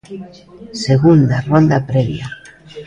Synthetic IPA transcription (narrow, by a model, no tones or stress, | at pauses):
seɣund̪arond̪apɾɛβj̰a